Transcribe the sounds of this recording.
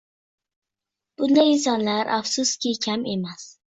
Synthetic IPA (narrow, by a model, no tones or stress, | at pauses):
b̥und̪ains̬ɑnlaɾʔa̰fsust̪kʲʰikʲʰamemas